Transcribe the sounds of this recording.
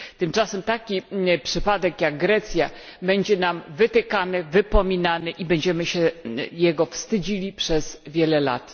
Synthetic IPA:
t̪ɘmt͡ʂasɛmt̪akʲipʂɘpad̪ɛkjaɡɡɾɛt̪sʲjabɛɲd͡ʑɛnamvɘt̪ɘkanɘvɘpɔmʲinanɘʔibɛɲd͡ʑɛmɘɕɛjɛɡɔfst̪ɘd͡ʑilʲipʂɛz̥vʲjɛlɛla̰t̪

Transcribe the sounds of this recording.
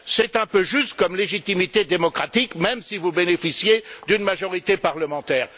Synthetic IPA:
sɛt̪ɛ̃pøʒyst̪kɔmleʒit̪imit̪ed̪emɔkχat̪ikmɛmsivubenefisjed̪ynmaʒɔʁit̪epaʁləmɑ̃t̪ɛːʁ

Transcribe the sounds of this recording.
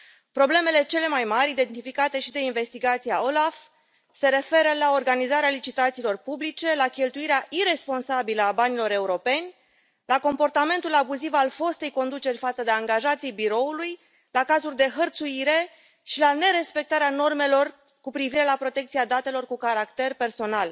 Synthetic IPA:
pɾo̞ble̞me̞le̞t͡ʃe̞le̞majmaɾʲid̪e̞nt̪ifikat̪e̞ʃid̪e̞inve̞st̪iɡat̪sijaolaf | se̞ɾe̞fe̞ɾəlao̞rɡanizaɾealit͡ʃit̪at̪siːlo̞rpublit͡ʃe̞lakʲe̞lt̪uiɾeaʔiɾe̞spo̞nsabiləabanilo̞ɾe̞uɾo̞pe̞nʲ | lako̞mpo̞rt̪ame̞nt̪ulabuzivalfo̞st̪e̞jko̞nd̪ut͡ʃe̞rʲfat̪səd̪e̞aŋɡaʒat̪sijbiɾo̞uluj | lakazulʲd̪e̞ɦərt̪suiɾe̞ | ʃilane̞ɾe̞spe̞k̚t̪aɾeano̞rme̞lo̞r | kupɾiviɾe̞lapɾo̞t̪e̞k̚t̪siad̪at̪e̞lo̞rkukaɾakt̪e̞rpe̞rso̞nal

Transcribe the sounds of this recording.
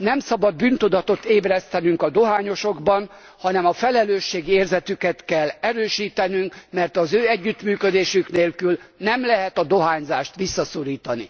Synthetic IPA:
nɛmsɒbɒd̪̚byːnt̪ud̪ɒt̪ot̪eːbrɛst̪ɛnyŋkɒd̪o̞ɦaːɲo̞ʃo̞ɡbɒn | hɒnɛmɒfɛlɛløːʃːeːɡieːrzɛt̪ykɛt̪kɛlːɛɾøːʃiːt̪ɛnyŋkmɛrt̪ɒzøːɛɟːyt̪myːkød̪eːʃykneːlkylnɛmlɛɦɛt̪ɒd̪o̞ɦaːɲzaːʃt̪ʋisːɒso̞ɾiːt̪ɒnḭ

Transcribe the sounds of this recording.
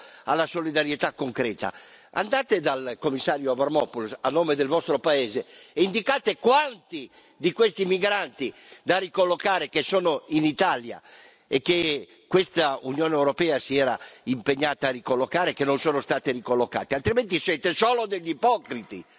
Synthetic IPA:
a̰lːasolid̪aɾjet̪akːoŋkɾɛːt̪a̰ | a̰nd̪aːt̪ed̪alkomːisːaːɾjoavarmɔpulsa̰nːoːmed̪elvɔst̪ɾopaɛːzeeind̪ikaːt̪ekwant̪i | d̪ikwest̪imiɡɾant̪id̪arikolːokaːɾekesoːnoinit̪alja̰ | ekːe | kwest̪aunjoːnɛwɾopɛːasiɛːɾaimpeɲːaːt̪aːrikolːokaːɾekenːonsɔːnost̪aːt̪erikolːoka̰ːt̪ealt̪ɾiment̪isɛːt̪esoːlod̪eʎːipɔkɾit̪i

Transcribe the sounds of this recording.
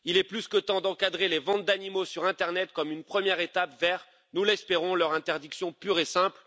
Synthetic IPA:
ilɛplyskət̪ɑ̃d̪ɑ̃kad̪ʁelevɑ̃t̪̚d̪animosyʁɛ̃t̪ɛʁnɛt̪̚kɔmynpχəmjɛʁet̪apvɛʁ | nulɛspeʁɔ̃lœʁɛ̃t̪ɛʁd̪iksjɔ̃pyʁesɛ̃pl

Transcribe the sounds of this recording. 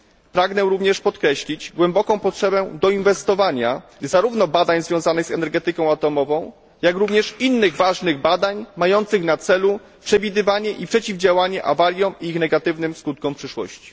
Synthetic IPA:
pɾaɡnɛɾuvɲɛʂpɔt̪kɾɛɕlʲid͡ʑɡwɛmbɔkɔ̃w̃pɔtʂɛbɛd̪ɔinvɛst̪ɔvaɲazaɾuvnɔbad̪aɲzvʲjɔ̃zanɘɣzɛnɛɾɡɛt̪ɘkɔ̃w̃at̪ɔmɔvɔ̃w̃ | jakɾuvɲɛʂinːɘɣvaʐnɘɣbad̪aɲmajɔnt̪sɘɣnat̪sɛlu | pʂɛvʲid̪ɘvaɲɛʔipʂɛt͡ɕivd͡ʑawaɲɛʔavalʲjɔ̃wiixnɛɡat̪ɘvnɘmskut̪̚kɔ̃wpʂɘʂwɔ̰ɕt͡ɕi̥

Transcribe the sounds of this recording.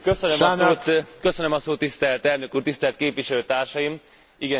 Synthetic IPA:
køsønømoːt̪køsønømɒsoːt̪ːist̪ɛlt̪ɛlnøkuːrt̪ist̪ɛlt̪̚keːpʋiʃɛløːt̪aːrʃɒjim | iɡɛ

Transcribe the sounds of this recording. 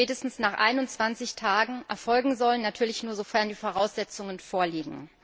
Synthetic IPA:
ɛːtəstn̩snaːχʔa̰ɪnʊnt͡sv̥ant͡sɪçtʰaːɡŋ̩ʔɛɐfɔlɡŋ̩zɔlənːatʰyːɐlɪçnuːɐzofɛɐndiːfoːʁ̞aʊsz̥ɛt͡sʊŋənfoːɐliːɡŋ̩

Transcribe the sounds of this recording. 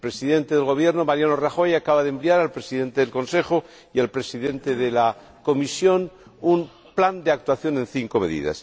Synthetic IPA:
epɾe̞siðe̞nt̪eðelɣo̞βje̞ɾnomaɾjanoraxo̞jakaβaðempliaɾalpɾesiðe̞nt̪eðelko̞nse̞xo | ialpɾe̞siðẽ̞nt̪eðela | ko̞misjo̞num | pland̪eak̚t̪waθjo̞nẽ̞nθiŋkome̞ðḭða̰s

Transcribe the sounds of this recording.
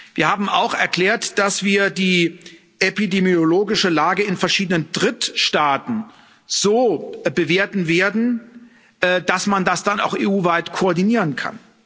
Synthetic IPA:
viːɐhaːbm̩aʊxɛɐkl̥eːɐtd̥asv̥iːɐdiː | ʔepidemjoloːɡɪʃəlaːɡəɪnfɛɐʃiːdənəndʁɪtʃtaːtn̩ | z̥oːbəveːɐtn̩veːɐdn̩ | ʔːd̥asmandasd̥ana̰ʊxʔḛːʔuːvaɪtkʰoɔɐdiniːʁ̞ənkʰa̰n

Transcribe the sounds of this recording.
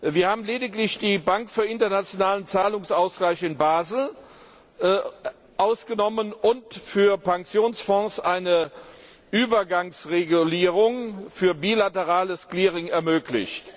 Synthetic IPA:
viːɐhaːbm̩leːdɪklɪçd̥iːbaŋkfyːɐɪntɐnat͡sjonaːlənt͡saːlʊŋsʔaʊsɡ̥laɪçɪnbaːzl̩ | ʔaʊsɡ̥ənɔmənʊntfyːɐpʰaŋksjoːnsfɔ̃ːsʔaɪnə | ʔyːbɐɡaŋsʁeɡuliːʁʊŋfyːɐbiːlatəʁaːləskliːʁɪŋɛɐmøːklɪ̰çt

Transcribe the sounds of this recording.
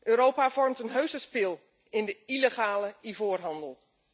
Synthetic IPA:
ʔøːɾowpav̥ɔrmtənɦøɥzəspɪlˠ | ɪndəileχaːləivoːrɦɑndəlˠ

